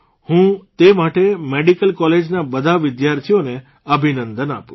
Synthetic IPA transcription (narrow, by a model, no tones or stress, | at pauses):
hũt̪emaʈemeɽikəlkɔled͡ʒnabəd̪ʱaʋɪd̪jaɾt̪ʰijone | əbʱinənd̪əna̰pũ